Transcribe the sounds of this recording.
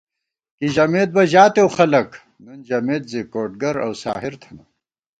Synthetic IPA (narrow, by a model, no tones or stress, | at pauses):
kiʑɐmeːt̪̚bɐʑaːt̪ewxɐlɐk | nund͡ʑɐmeːt̪̚zikoːʈ̚ɡɐɾɐ̰wsa̰ːɦiɾt̪ʰɐnɐ